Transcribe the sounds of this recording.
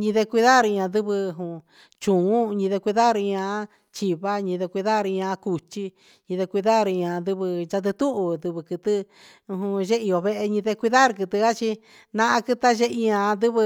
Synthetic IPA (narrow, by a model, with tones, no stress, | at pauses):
ɲĩ˧ðe˧kʷi˧ða˦˨ɾi˧ɲã˧d̪ɨ˦βɨ˧ɦũ˨ | t͡ʃũ˨ũ˦˧ɲĩ˧ðe˧kʷi˧ða˦˧ɾɲã˧˦ | t͡ʃi˧βa˦ɲĩ˧ðe˧kʷi˧ða˦˧ɾi˧ɲã˧ku˧t͡ʃi˧ | ɲĩ˧ðe˧kʷi˧ða˦˨ɾi˧ɲã˧d̪ɨ˦βɨ˧t͡ʃa˧t̪̬ɨ˧t̪u˦ʔu˧d̪ɨ˧βɨ˧kɨ˧t̪ɨ˦˧ | ɦũ˧ʒe˦i˧o˧βe˧ʔe˧ɲĩ˧ðe˧kʷi˧ða˦ɾkɨ˧t̪ɨ˧a˦t͡ʃi˧ | nã˧ʔã˧kɨ˦t̪a˦ʒe˦ʔi˧ɲã˧d̪ɨ˦β